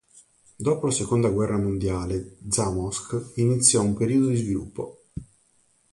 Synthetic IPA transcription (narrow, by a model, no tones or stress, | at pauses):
d̪ɔːpolasekond̪aɡwɛrːamond̪jaːled̪zamɔskinit̪sːjɔumpeɾiːod̪od̪izvilṵpʰːo̰